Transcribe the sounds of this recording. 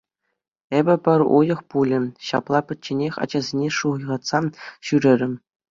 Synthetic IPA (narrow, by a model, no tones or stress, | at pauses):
ebʲɘ̆pʲɘ̆rʲṵjɤ̆χpulʲɘ̆ɕɑ̰plˠɑpʲɘ̆t͡ɕːenʲexʲɑ̰d͡ʑɑzʲenʲeʂuʁɤ̆jʁɑt̪sɑɕyɾʲɘ̆rʲɘ̆m